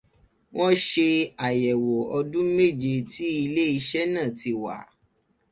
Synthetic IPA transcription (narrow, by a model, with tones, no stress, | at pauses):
w̃ɔ̃˦ʃe˧a˨jɛ˨wo˨ɔ˧dũ˦me˦˨d͡ʒe˧ti˨˦i˧le˦i˧ʃɛ˦nã˦˨ti˧wa̰˨